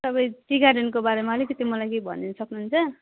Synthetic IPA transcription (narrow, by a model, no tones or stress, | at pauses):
sʌbʌjʈiɡaɖenkobaɾemalekit̪imʌlajkebʱʌ̰nːenʌsʌknunt͡sʰʌ